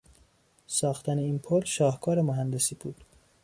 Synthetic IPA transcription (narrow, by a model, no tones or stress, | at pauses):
sɒːxt̪ʰæne̞iːnpʰolʃɒːhkʰɒːɾemoɦænd̪e̞siːb̥uːd̪̥